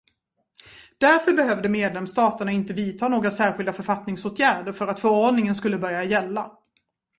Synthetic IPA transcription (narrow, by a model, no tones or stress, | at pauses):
d̪̥æɾfœɾbɛɦœːvd̪əmeːd̪lɛmst̪ɑːt̪əɳaɪnt̪əviːt̪ʰɑːnoːɡɾasæːɾɧɪld̪afœɾfat̪nɪŋsoːʈʰjæːɖəɾfœɾat̪fœɾɔɖɳɪŋənskɵlːəbœɾjajɛlːa